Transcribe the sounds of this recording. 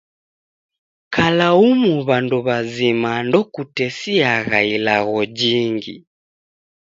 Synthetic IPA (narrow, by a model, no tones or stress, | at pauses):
kalaumuβanduβazimandɔkutɛsiaɣailaɣɔd͡ʒiŋɡḭ